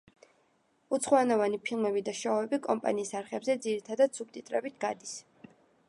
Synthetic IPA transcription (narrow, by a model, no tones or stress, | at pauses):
ut̪sʰχɔanɔvanipʰilˠmɛbid̪aʃɔɛbikʼɔmpʼa̰niːsaɾχɛbzɛd̪ziɾit̪ʰad̪ad̪sub̚t̪ʼit̪ʼɾɛbit̪ʰɡad̪is